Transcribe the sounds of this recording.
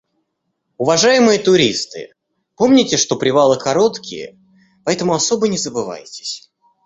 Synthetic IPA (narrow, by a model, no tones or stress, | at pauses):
ʊvɐʐajɪmɨjət̪ʊɾʲist̪ɨ̰ | po̞mnʲɪtʲɪʂt̪o̞pɾʲɪvalˠɨkɐɾo̞t̪kʲɪ̰jə̰ | pɐɛt̪əmʊɐso̞bənʲɪzəbɨva̰jtʲɪ̥sʲ